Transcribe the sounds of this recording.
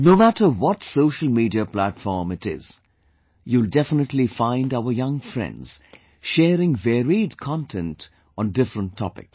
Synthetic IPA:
noʊmætəwɔtsoʊʃəl̩ˠmidiəplætfɔɹmɨtɪ̰z̥ | juldɛfənətlifãɪ̃ndaʊə˞jʌ̃ŋfɾɛ̰̃ndz̥ | ʃɛːɾɪ̃ŋvɛɹidkʰɑ̃ntʰɛ̃nt | ɔ̃n̩dɪfɹə̃ntʰːɔ̰pɪ̰ks

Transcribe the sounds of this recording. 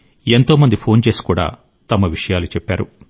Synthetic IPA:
e̞nt̪o̞ːmɐnd̪ipʰo̞ːnt͡ʃe̞ːsi̥kuːɽa̰ː | t̪ɐmɐʋiʂɐjaːlut͡ʃɛpːaːɾu

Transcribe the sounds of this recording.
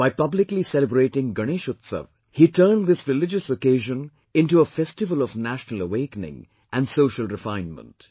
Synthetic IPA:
b̥aɪpʌblɪklisɛləbɾeɪʈɪ̃ŋɡəñeʃʊt̪sə̰ʋ | hitʰəːnðɪsɾɪlɪd͡ʒəsokeːʒə̃n | ɪ̃ntuəfɛstɪvəlɔvnæʃnələweɪkənɪ̰̃ŋ | ʔæ̃nsoːʃəlˠɾɪfãɪ̃nmə̰̃nt

